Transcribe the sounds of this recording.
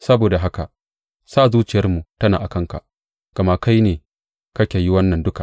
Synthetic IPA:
sɐ˦boː˨da˨ɦa˦ka˨ʔ | saː˦˨zuː˦t͡ʃɪ˨jɐ˦rmu˨tɐ˦naː˨ʔa˨kɐ˦ŋka̰˨ | ɡ̥ɐ˨maː˦ka˦jneː˨ | kɐ˦kʲe˨ji˦wɐ˦nːɐ˨ndʊ˦ka˨ʔ

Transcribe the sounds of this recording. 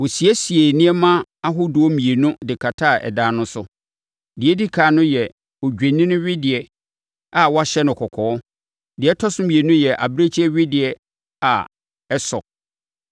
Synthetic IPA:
wo˨si˨ɛ˦si˨e˨nɪ̃˦ɛ˦mã˦a˦ɦʊ˦dʊ˨ɔ˦mĩ˨e˨nũ˦dɪ˨kʰa˨tʰa˦˨ɛ̰˨daː˨˦nʊ̃˦sʊ˦ | dɪ˨ɛ˦di˦kʰaː˨nʊ̃˦jɛ˨ | o˨d͡ʑᶣe˨nĩ˦nʊ̃˦ɥɪ˦dɪ˨ɛ˨ | a˨wɔ˦a˦ɕɛ˦nʊ̃˨kʰɔ˨kʰɔː˨˦ɔ˦ | dɪ˨ɛ˦tʰɔ˦sʊ˦mĩ˨e˨nʊ̃˦jɛ˨ʔa̰˨bɾe˦t͡ɕʰɛ˦ɥɪ˦dɪ˨ɛ˨ | a˨ | ɛ˦sɔ˨

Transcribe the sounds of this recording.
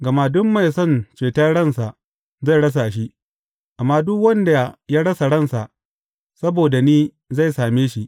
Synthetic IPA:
ɡɐ˨maː˦dʊ˦mːa˨jsɔ˦˨nt͡ʃeː˨ta˦ɽɐ˦˨nsa˨ʔ | za˦˨jɽɐ˦s̬a˨ʔʃ̬i˦ʔ | ʔa˨mːaː˦dʊ˦kwɐ˦nda˨jaː˦ɽɐ˦sa˨ɽɐ˦˨nsa˨ʔ | sɐ˦boː˨da˨niː˦ | za˦˨jsaː˨meː˦ʃi˦ʔ

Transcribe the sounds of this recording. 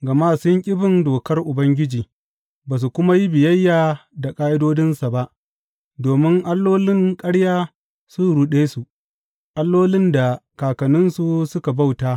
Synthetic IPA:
ɡɐ˨maː˦sʊ˦ŋkʲʼɪ˦bɪ˨ndoː˨kɐ˦rʔʊ˨bɐ˦ŋɡʲɪ˦d͡ʒiː˨ | baː˨s̬u˨kʷʊ˦ma˦ji˦bɪ˨jɐ˦jːaː˨da˨kʼaː˦ʔɪ˦doː˦dɪ˦nsa˨ba˦ʔ | doː˨mɪ˦ŋʔa˦lːoː˦lɪ˦ŋkʼɐ˦ɽjaː˦ | sʊ˦nɽu˦ɗeː˦su˨ʔ | ʔa˦lːoː˦lɪ˦nda˨kaː˨kɐ˨nɪ˦nsu˨sʊ˦ka˨ba˦˨wtaː˦

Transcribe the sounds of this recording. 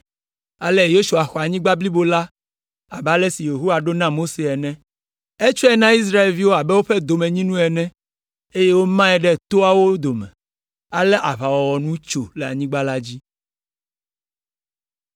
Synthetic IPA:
a˨le˦jo˦ʃu˨a˨xɔ˨a˨ɲĩ˦ɡ͡ba˦bli˦bo˦la˦ | a̰˨ba˦lɛ˦si˨je˨ɦo˦a˨ɖo˦nã˦mo˦se˨ɛ˨nɛ̃˦ | ɛ˦t͡ʃɛ˦nã˦i˦s̬ɾa˦e˨lvi˦wo˦a˨bɛ˦wo˦ɸɛ˦d̪o˨mɛ̃˨ɲĩ˦nũ˦ɛ˨nɛ̃˦ | e˦je˦wo˦mã˦ɛ˨ɖɛ˦˨t̪o˦a˦wo˦d̪o˨mɛ̰̃˨ | a˨lɛ˦ʔa˨βa˨wɔ˨wɔ˨nũ˦t͡ʃo˨le˨a̰˨ɲĩ˦ɡ͡ba˦la˦d͡ʑi˦

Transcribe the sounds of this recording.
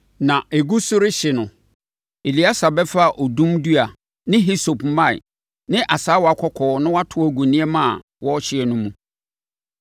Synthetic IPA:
nã˨e˨ɡu˦sʊ˦ɾɪ˦ɕɪ˨nʊ̃˨ | e˨li˨˦a˦sa˨bɛ˦fa˦˨ʔɔ˨dũ˦mdu˦a˨ | nɪ̃˦ɦi˦so˨pmã˦ɪ̰˨ | nɪ̃˦ʔa˨saː˦wɔ˨a˨kʰɔ˦kʰɔː˨˦nʊ̃˦wa˦tʰʊ˨˦æ˨ɡu˨nĩ˦ɛ˦mã˦a̰˨ | wɔ˦ɔ˦ɕɪ˦ɛ˨nʊ̃˦mũ˨

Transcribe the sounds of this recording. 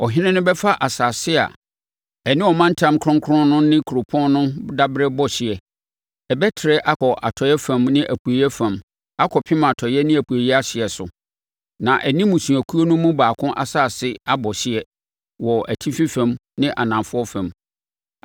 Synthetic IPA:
ɔ˨ɦɪ̃˦nɪ̃˦nʊ̃˦bɛ˦fa˦ʔa˨saː˨sɪ˦a̰˨ | ɛ˨nɪ̃˦ɔ˨mã˦n̩˦tʰã˦mkʰɾʊ̃˦ŋkʰʊ˦ɾʊ̃˦nʊ̃˦nɪ̃˦kʰɾo˨pʰɔ̃˦nnʊ̃˦da˦bɾɛ˦bɔ˦ɕɪ˨ɛ˨ | ɛ˨bɛ˦tʰɪ˨ɾɛ˦ʔa˦kɔ˨ʔa̰˨tʰɔ˨jɛ˦fã˨mnɪ̃˦ʔæ˨pʰu˨e˨jɛ˦fã˨m | a˦kʰɔ˨pʰɪ̃˦mã˨tʰɔ˨jɛ˦nɪ̃˦æ˨pʰu˨e˨jɛ˦a˦ɕɪ˨ɛ˨sʊ˨ | nã˨ʔɛ˨nĩ˦mũ˨sũ˨æ˨kʰu˦o˦nʊ̃˦mũ˦baː˨kʰʊ̃˦ʔa̰˨saː˨sɪ˦a˦bɔ˨ɕɪ˦ɛ˨ | wɔ˨ʔæ˨tʰi˦fĩ˦fã˨mnɪ̃˦ʔa˨nã˨fʊ˦ɔ˦fã˨m

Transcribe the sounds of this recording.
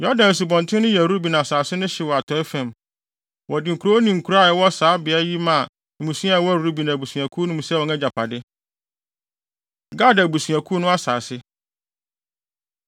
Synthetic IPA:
jɔ˦dã˨n˨su˨bɔ̃˨n˨tʰɪ̃˦nʊ̃˦jɛ˨ɾu˦bi˨nã˨saː˨sɪ˦nʊ̃˦ɕɪ˨wɔ˨a˨tʰɔ˨˦ɪ˦fɛ̃˨m | wɔ˨dɪ˨ŋ̩˨kʰu˨ɾo˦o˦nĩ˨ŋ̩˨kʰu˨ɾa˦˨ɛ˨˦wɔ˦saː˨˦bɪ˨a˦ji˦mã˨ | mũ˨sũ˦a˦˨˦wɔ˦ɾu˦bi˨nã˨bu˨su˨a˨kʰu˦nʊ̃˦mũ˨sɛ˦wɔ̃˨nɛ˦d͡ʑa˨pʰa˨dɪ˦ | ɡa˦˨da˨bu˨sɥa˨kʰu˦nʊ̃˦a˦saː˨sɪ˦

